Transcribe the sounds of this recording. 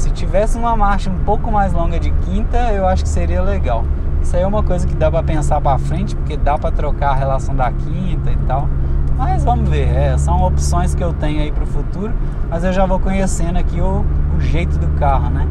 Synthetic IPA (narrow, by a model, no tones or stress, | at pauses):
sɪt͡ʃivɛsɪũmɐmaɾʃɐũpowkʊmajzlõɡɐd͡ʒɪkĩt̪ɐewaʃʊ̥kɪ̥seɾiɐleɡaw | ɛsɐɛũmɐkojzɐkɪd̪apɾɐpẽsaɾpɾafɾẽnt͡ʃɪ̥pʊɾked̪apɾɐt̪ɾokaɾɐɦelasɐ̃w̃d̪ɐkʰĩnt̪ɐɪt̪awmɐzvɐ̃mʊzveɾɛsɐ̃w̃opsõj̃skɪewt̪ẽɲʊaipɾʊfut̪uɾʊ | mɐzewʒavokõɲesẽnd̪ʊɐkiʊːʒejt̪ʊd̪ʊkaɦʊnɛ